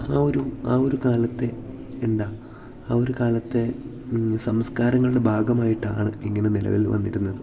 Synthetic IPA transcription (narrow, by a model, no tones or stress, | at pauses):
aːo̞ɾuaːo̞ɾukaːlɐt̪ːe̞ː | nd̪aː | aːo̞ɾukaːlɐt̪ːe̞ | sɐmskaːɾɐŋːɐɭuɽe̞bʱaːɡɐmaːjiʈːa̰ːɳɨiŋːɐne̞nilɐ̰ʋḭlʋɐ̰nːiɾunːɐðɨ